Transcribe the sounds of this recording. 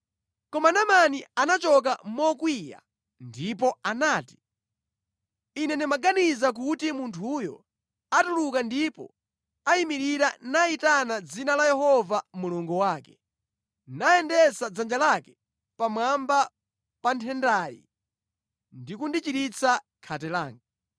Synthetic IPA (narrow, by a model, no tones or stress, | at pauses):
kɔmanamanianat͡ʃɔk̬amɔkwija̰ | ndipɔanaːti̥ | inɛnimaɡanizak̬utimuntʰujɔ̰ | atulukandipɔ̰ | aimiɾiɾanaitanad͡zinalajɛhɔvamuluŋɡuwaːkɛ̥ | naɛndɛsad͡zand͡ʒalakɛ̥ | pamwamba | pantʰɛndajḭ | ndikundit͡ʃiɾit͡sʰa | kʰatɛlaːŋɡa